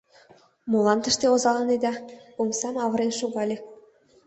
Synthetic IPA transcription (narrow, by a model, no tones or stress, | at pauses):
mulˠɑnt̪ə̆ʃt̪eozɑlˠɑned̪ɑumsɑmɑβɤ̆ɾenʃuɣɑlʲe